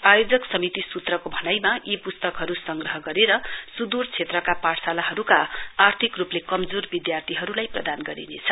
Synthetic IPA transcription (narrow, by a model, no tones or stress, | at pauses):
pajod͡zʌksʌmit̪isut̪rʌkobʱʌnʌjmaipust̪ʌkɦʌɾusʌŋɡrʌɦʌɡʌɾeɾʌsud̪urt͡sʰet̪rʌkapaɽsalaɦʌɾukaːrt̪ʰikruplekʌmd͡zorbid̪jart̪ʰiɦʌɾulajprʌd̪anɡʌɾḭnḛt͡sʰʌ̥